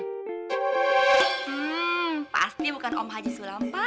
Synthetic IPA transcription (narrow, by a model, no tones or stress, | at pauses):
pa̰st̪ibukanɔ̰mɦad͡ʒisulampa